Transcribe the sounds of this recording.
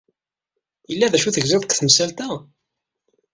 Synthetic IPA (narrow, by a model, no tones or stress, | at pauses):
jəlːæðæʃuθəʝzɪðˤkθəmsælt̪æ